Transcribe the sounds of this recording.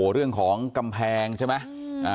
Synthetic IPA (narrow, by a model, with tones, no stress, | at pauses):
ɾɯ˥˩əŋkʰɔː˩˦ŋka˧mpʰɛː˧ŋt͡ɕʰa˥˩ma˦˥ | ʔaː˨˧